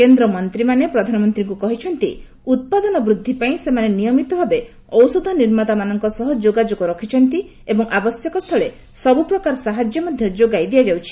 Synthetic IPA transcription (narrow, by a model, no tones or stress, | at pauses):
kend̪ɾɔmɔnt̪ɾimanepɾɔd̪ʱanɔmɔnt̪ɾiŋkukɔɦit͡ʃʰɔnt̪i | ut̪̚pad̪ɔnɔbɾud̪ʱːipaĩsemanenijɔmit̪ɔbʱabe | ɔwsod̪ʱɔniɾmat̪amanɔŋkɔsɔɦɔd͡ʒoɡad͡ʒokɔɾɔkʰit͡ʃʰɔnt̪i | ebɔŋabɔsjɔkɔst̪ʰɔɭe | sɔbupɾɔkaɾɔsaɦad͡ʒjɔmɔd̪ʱjɔd͡ʒoɡajd̪ijad͡ʒawt͡ʃʰi̥